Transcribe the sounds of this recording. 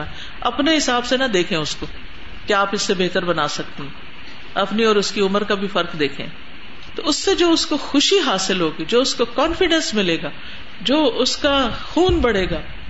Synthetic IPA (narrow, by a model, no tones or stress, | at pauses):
ɐpneɦɪsaːbsenɐd̪eːkʰẽʊskoː | keaːpɪsːebeɦt̪əɾbɐnaːsɐk̚t̪eɦɛ̃ | ɐpniɔːɾʊskiʊməɾkabʱifɐɾkd̪eːkʰḛ̃ | t̪oʊsːed͡ʒoːʊskoxʊʃiɦaːsɪlɦoːɡid͡ʒoːʊskokɔ̃ːnfɪɖɛ̃nsmɪleːɡaː | d͡ʒoːʔʊskaxuːnbɐɽeːɡaː